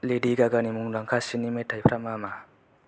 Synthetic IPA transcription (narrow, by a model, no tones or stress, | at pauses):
lediɡaɡanimuŋlaŋkʰasinimetʰajpʰɾamama